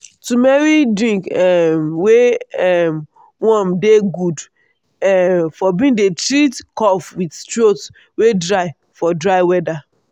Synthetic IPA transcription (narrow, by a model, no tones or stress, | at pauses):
tumɛɹidɹĩŋkɛmweɛm | wɔ̃mdeɡud | ɛfɔbĩŋdetɹitkɔfwitt͡ʃɹots | wedɹaɪ | fɔdɾaɪwɛda